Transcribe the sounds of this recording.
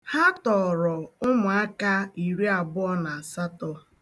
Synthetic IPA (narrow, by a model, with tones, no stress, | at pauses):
ha˦tɔ˨ɾɔ˨ʊ˦mʊ˨a˦ka˦i˨ɾi˦a˨bʊ˦ɔ˦na˨a˨sa˦tɔ˦